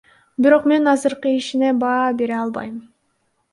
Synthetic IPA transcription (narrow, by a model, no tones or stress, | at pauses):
biɾo̞qme̞nɑzɯɾqɯiʃine̞bɑːbe̞ɾeɑlˠbɑ̰jm